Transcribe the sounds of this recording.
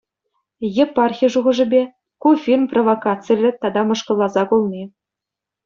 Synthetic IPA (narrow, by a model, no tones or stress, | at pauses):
jĕpːɑrxʲiʐuʁɤ̆ʐɘ̆bʲe | kufʲirmprovokɑt̪t͡sɨlʲɘ̆t̪ɑd̪ɑmɤ̆ʂkɤ̆lˠːɑzɑkulˠnʲi